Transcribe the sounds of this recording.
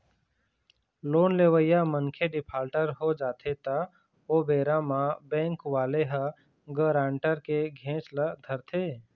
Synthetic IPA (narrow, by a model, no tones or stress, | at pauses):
loːnleːʋəjamənkʰeɖɪpʰaːlʈəɾɦod͡ʒaːt̪ʰet̪a | oːbeːɾamãbɛ̃ːŋkʋaːleɦa | ɡəɾaːɳʈəɾkeɡʱẽːt͡ʃləd̪ʱəɾt̪ʰeː